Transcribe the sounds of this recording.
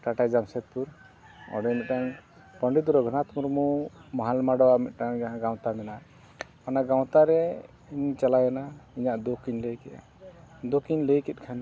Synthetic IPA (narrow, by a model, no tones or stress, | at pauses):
ʈaʈajd͡ʒamsɛt̪̚puɾ | ɔ̰dɔmit̪̚ɾaŋ | pəɳɖid̪uɾɔɡʱənat̪muɾmumɔɦalmaɽɔamit̪̚ˀɾaŋɡaw̃t̪amɛna | anaɡaw̃t̪aɾɛ | iɲt͡ʃalajanaiɲaʔd̪okiɲləjkɛa̰ | d̪okiɲləjkɛt̪̚ˀkʰan